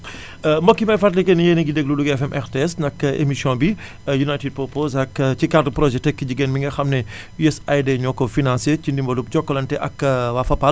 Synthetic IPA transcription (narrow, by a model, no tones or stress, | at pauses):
mbɔkːimajfatlikɛnijeniɡidɛɡ̚luluɡɛfɛmʔɛɾteɛsnɐkːʔḛmisjɔ̃bi | junajtid̚pɔpozɐkt͡ʃikardəpɾɔʒɛtɛkːiɟiɡenmiŋɡɐxɐmnɛ | juɛsajdeɲɔkːɔfinãnsecindimbɐlup̚ɟɔkːɔlɐntɛʔɐkwafɐpal